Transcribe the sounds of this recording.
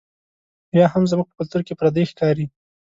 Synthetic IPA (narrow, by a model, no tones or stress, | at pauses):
jɑɦamzmuɡ̚pəkʊlt̪uɾkepɾad̪exkɑɾi